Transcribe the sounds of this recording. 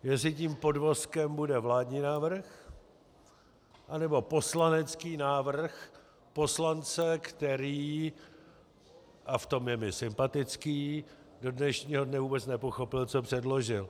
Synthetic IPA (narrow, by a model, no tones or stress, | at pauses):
jɛslɪciːmpo̞dvo̞skɛmbudɛvlaːdɲiːnaːvr̩x | ʔanɛbo̞po̞slanɛt͡skiːnaːvr̩x | po̞slant͡sɛkt̪ɛɾiː | ʔaft̪o̞mjɛmɪsɪmpat̪ɪt͡skiː | do̞dnɛʃɲiːɦodnɛvuːbɛt͡snɛpo̞xo̞pɪlt͡so̞pr̝̥ɛdlo̞ʒɪl